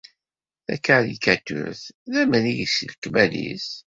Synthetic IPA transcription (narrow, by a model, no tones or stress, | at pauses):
θæ̰kːaɾikæt̪ːʊ̰ɾθðæmənijisəlkmælḭs